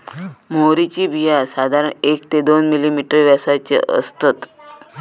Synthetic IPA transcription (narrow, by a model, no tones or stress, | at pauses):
moɾit͡ɕiːbijasad̪ʱaɾəɳek̚t̪ed̪onmilimiʈəɾʋjasat͡ɕḛʔə̰st̪ət̪